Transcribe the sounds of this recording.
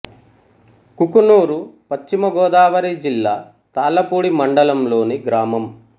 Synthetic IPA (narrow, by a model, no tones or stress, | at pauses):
kukunuːɾupɐt͡ʃt͡ʃːimɐɡɔːd̪aːʋɐɾid͡ʒilːaː | t̪aːlːɐpuːɽimɐɳɖɐlɐmlo̞ːniɡɾaːmɐm